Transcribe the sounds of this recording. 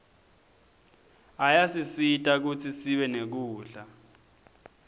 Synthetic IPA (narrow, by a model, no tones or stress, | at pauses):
ajasisitʼak̬ut͡sʰisiɓɛnek̬uːɬa